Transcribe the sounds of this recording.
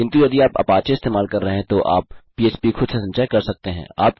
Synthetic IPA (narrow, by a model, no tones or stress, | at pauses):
kɪ̃nt̪ujɐd̪iaːpɐ̰paːt͡ʃeɪst̪eːmaːlkɐɾːɐɦeɦɛ̃t̪oʔa̰ːpː | iːeːt͡ʃpixʰʊd̪sesɐ̃nt͡ʃaːjkɐɾsɐk̚t̪eɦɛ̰̃aːp